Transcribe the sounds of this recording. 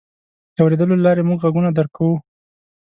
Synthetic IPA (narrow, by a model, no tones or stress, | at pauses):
d̪awɾed̪əlolɑɾemuɡɣaɡunad̪əɾkawu